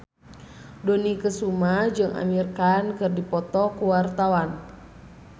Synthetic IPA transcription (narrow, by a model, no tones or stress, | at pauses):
donikəsumad͡ʒɨŋʔa̰mirkankɨrdipɔt̪ɔkuwart̪awan